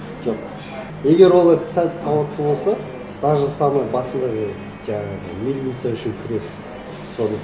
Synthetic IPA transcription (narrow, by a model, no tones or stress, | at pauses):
ʒoq | e̞ɡʲe̞ɾwo̞lˠɑɾt̪ʰɪ̥sæt̪ə̥sɑwɑt̪̚əblˠsɑ | t̪ʰɑʒəsɑmɑjbɑsənd̪ɑʁe | ʒɑɴɑʁə̰mʲilʲit̪sæʏʃɪkʲʰɪɾet | so̞nə